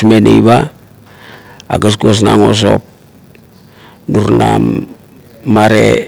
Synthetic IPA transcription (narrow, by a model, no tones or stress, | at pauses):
smenḛjβa | aɡas̬kuos̬na̰ŋo̞s̬o̞p̚ | nuɾnamː | aɾe